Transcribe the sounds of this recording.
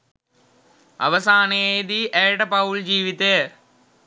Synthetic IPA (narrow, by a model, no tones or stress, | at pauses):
ɐ̰ʋɐsaːned̪iʔeːʈɐpɐwʊɭd͡ʒiːʋit̪ːe